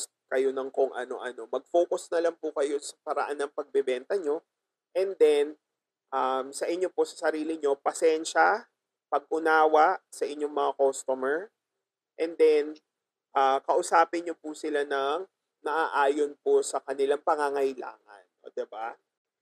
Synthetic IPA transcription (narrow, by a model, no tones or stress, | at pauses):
kɐjo̞nɐŋkoŋʔɐ̰no̞̰ʔɐno̞mɐɡ̚fo̞ːkʊsnɐlaŋpʊkɐjo̞sɐ̥pɐɾɐ̰ʔanːɐŋpɐɡ̚bɛbɛnt̪ɐɲo̞ | ʔɛnd̪ɛn | ʔamsɐʔɪɲːo̞po̞sɐsɐɾiːlɪɲo̞pɐsɛnʃɐ | pɐɡ̚ʔʊnaːwɐʔsɐʔɪɲːo̞ŋmɐŋakost̪omɛɹ | ʔɛnd̪ɛn | ʔaːkɐʔʊsaːpɪɲɲo̞pʊsɪlanɐŋ | nɐʔaːʔaːjonposɐkɐnɪlaŋpɐŋaŋɐjla̰ːŋɐ̰no̰d̪ɪba